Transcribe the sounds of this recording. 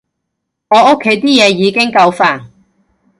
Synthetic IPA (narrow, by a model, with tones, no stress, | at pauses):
ŋɔː˨˧o˥kʰːe˨˥jt̪iː˥jɛː˨˧jiː˨˧kɪ˥ŋkɐ˧wfaː˨˩n